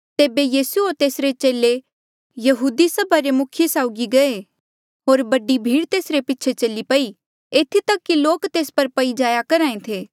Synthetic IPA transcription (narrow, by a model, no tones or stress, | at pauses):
t̪eːbejiːsuoːɾt̪eːsɾet͡ʃeːle | jɐɦuːd̪isɐbʱaɾemʊkʰjesaːʊɡiɡɐe | ɦoːɾbɐɖibʱiːɽt̪eːsɾepɪt͡ʃʰet͡ʃɐlipɐi | eːt̪ʰit̪ɐkːiloːkt̪eːspɐɾpɐid͡ʒaːjakɐɾãːẽt̪ʰeː